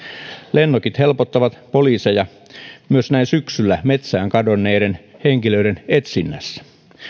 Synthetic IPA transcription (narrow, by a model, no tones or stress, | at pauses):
lenːokit̪helpot̪ːɑʋɑt̪poliːsejɑ | myøsnæinsyksylːæmet̪sæːŋkɑdonːeːdenheŋkiløidenet̪sinːæ̰sːæ̥